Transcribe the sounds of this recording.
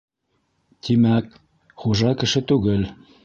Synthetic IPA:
t̪imæk | χuʒɑkɘ̆ʃɘt̪ʉɡɘl

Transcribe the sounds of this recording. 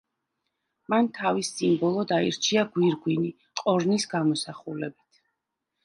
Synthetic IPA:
mant̪ʰavisimbɔlˠɔd̪aiɾt͡ʃʰiaɡwiɾɡwini | qʼɔɾnisɡamɔsaχulɛbit̪ʰ

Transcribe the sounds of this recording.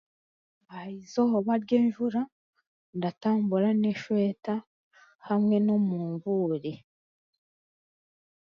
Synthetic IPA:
ajizohoβaɾɟeːnʒuɾa | ndataːmbuɾaneʃweːta | hamŋe̞no̞muːɱvuːɾi

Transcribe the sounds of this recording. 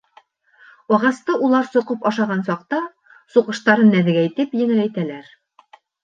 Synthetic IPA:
ɒʁɑst̪ɤʔulˠɑɾsŏqɤpɒʃɑʁɑnsɑqt̪ɑ | suqɤ̆ʃt̪ɑɾɤnːæðɘ̆ɡæit̪ɘpjɘ̆ŋɘ̆læjt̪ælæɾ

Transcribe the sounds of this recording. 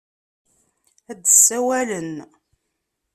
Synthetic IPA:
æd̪əsːæwælən

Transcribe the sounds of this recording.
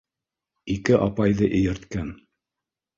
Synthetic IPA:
ikɘʔɑpɑjðɤʔɘ̆jɘ̆ɾt̪kæn

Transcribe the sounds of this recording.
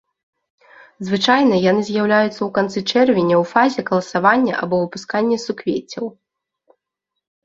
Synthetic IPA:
zvɨt͡ʂajnɐjanɨzʲjawlʲajut̪sːɐwkant̪sɨt͡ʂɛrvʲinʲɐwfazʲɛɣɐlˠɐsavanʲːɐ̰ʔa̰bɔvɨpuskanʲːɛsukvʲet͡sʲːɐw

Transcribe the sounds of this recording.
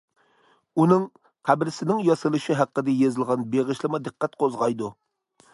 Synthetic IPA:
unɨŋ | qʰæbɾɪsɪnɪŋjɑsɨlˠɨʃiɦæqːəd̪ɪjezɪlˠʁɑnbeʁɪʃlˠɪmɑd̪ɨqʰːæt̪̚qʰozʁɑjd̪u

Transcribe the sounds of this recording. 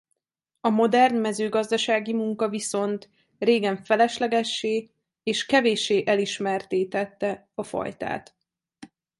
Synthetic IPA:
ɒmo̞d̪ɛrnmɛzøːɡɒzd̪ɒʃaːɡimuŋkɒviso̞nt̪ | reːɡɛɱfɛlɛʃlɛɡɛʃːeː | eːʃkɛveːʃeːʔɛliʃmɛrt̪eːt̪ɛt̪ːɛ | ɒfɒ̰jt̪a̰ːt̪

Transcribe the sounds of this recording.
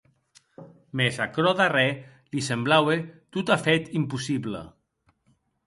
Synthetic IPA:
mezakɾɔðarɛ | lisemblawet̪ut̪afet̪impusiβlə̰

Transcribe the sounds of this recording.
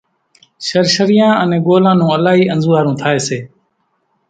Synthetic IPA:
ʃəɾʃəɾɪjãːənẽːɡoːlãːnũːəlaːɦiːənzuːaːɾũːt̪ʰaːeːseː

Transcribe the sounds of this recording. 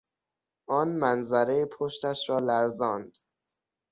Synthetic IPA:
ʔɒːnmænzæɾejepʰoʃt̪æʃɾɒːlæɾzɒːnd̪̥

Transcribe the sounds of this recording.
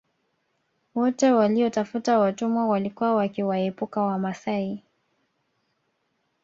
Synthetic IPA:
wɔtɛwaliɔtafutawatumwawalikuwawakiwaɛpukawamasai

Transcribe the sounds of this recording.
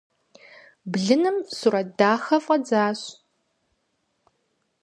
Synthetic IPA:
bɮɨnɨmsurɐdaːxɐfʼɐd͡zaːɕ

